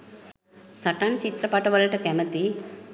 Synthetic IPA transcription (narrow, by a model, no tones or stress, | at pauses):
sɐʈaːnt͡ʃit̪ɾɐpɐʈɐʋɐlɐʈɐkɛmɐt̪i